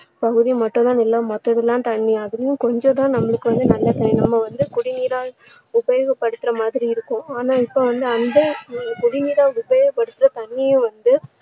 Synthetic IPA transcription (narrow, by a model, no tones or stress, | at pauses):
pɐɣɯðimɐʈːʊ̃t̪ãːɪlːɐmɐt̪ːɐðɪlːãːt̪ɐɳːiɐðɯlɐjʊ̃kɔɲd͡ʒõt̪ãːnɐmːɐɭɯkːɯʋɐnd̪ɯnɐlːɐt̪ɐnɪnɐmːɐʋɐnd̪ɯkʊɽɪniːɾaː | ʊbɐjɔɣɐpːɐɽɯt̪ːɪɾɐmaːðɪɾiɪɾɯkːʊ̃aːnaːɪpːoːʋɐnd̪ɯɐnd̪ɐkʊɽɪniːɾaːʊbɐjɔɣɐpːɐɽɯt̪ːɪɾɐt̪ɐɳːijʊ̃ʋɐnd̪ɯ